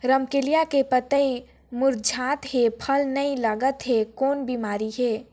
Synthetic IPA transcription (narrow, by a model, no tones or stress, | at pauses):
ɾəmkelijakepət̪əi | mʊɾd͡ʒʱaːt̪ɦepʰəlnəilaɡət̪ɦekoːnbimaːɾiɦeː